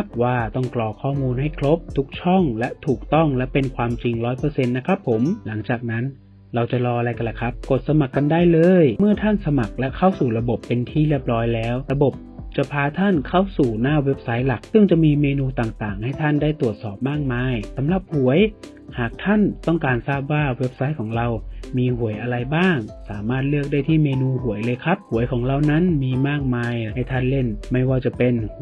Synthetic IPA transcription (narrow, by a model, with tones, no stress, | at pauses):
a˦p̚waː˥˩t̪ɔ˥˩ŋklɔː˧kʰɔː˥˩muː˧nɦa˥˩jkʰɾo˦˥p̚t̪ʰu˦˥k̚t͡ɕʰɔ˥˩ŋlɛ˦˥t̪ʰuː˨˩k̚t̪ɔ˥˩ŋlɛ˦˥pe˧nkʰwaː˧mt͡ɕi˧ŋɾɔː˦˥jpɤː˧se˧nːa˦˥kʰɾa˦˥pʰːo˩˦mla˩˦ŋt͡ɕaː˨˩k̚na˦˥n | ɾa˧wt͡ɕa˨˩lɔː˧ʔa˧ɾa˧jka˧nla˨˩kʰɾa˦˥p̚ko˨˩t̪̚sa˧ma˨˩kːa˧ndaː˥˩jlɤː˧jmɯ˥˩ɐt̪ʰa˥˩nsa˧ma˨˩k̚lɛ˦˥kʰa˥˩wsuː˨˩ɾa˧bo˨˩pːe˧nt̪ʰiː˥˩ɾi˥˩əp̚ɾɔː˦˥jlɛː˦˥wɾa˧bo˨˩p̚t͡ɕa˨˩pʰaː˧t̪ʰa˥˩nkʰa˥˩wsuː˨˩naː˥˩we˦˥p̚sa˦˥jla˨˩k̚sɯ˥˩ŋt͡ɕa˨˩ʔmiː˧meː˧nuː˧t̪aː˨˩ŋt̪aː˨˩ŋha˥˩jt̪ʰa˥˩ndaː˥˩jt̪u˨˩ət̪̚sɔː˨˩p̚maː˥˩k̚maː˧jsa˩˦mla˨˩p̚hu˩˦əj | haː˨˩k̚t̪ʰa˥˩nt̪ɔ˥˩ŋkaː˧nsaː˥˩p̚waː˥˩we˦˥p̚sa˦˥jkʰɔː˩˦ŋɾa˧wmiː˧hu˨˩˦əjʔa˧ɾa˧jbaː˥˩ŋsaː˩˦maː˥˩t̪̚lɯ˥˩ək̚daː˥˩jt̪ʰiː˥˩meː˧nuː˧hu˨˩˦əjlɤː˧jkʰa˦˥p̚hu˩˦əjkʰɔː˩˦ŋɾa˧wna˦˥nmiː˧maː˥˩k̚maː˧jha˥˩jt̪ʰa˥˩nle˥˩nma˥˩jwaː˧˩t͡ɕa˨˩pe˧n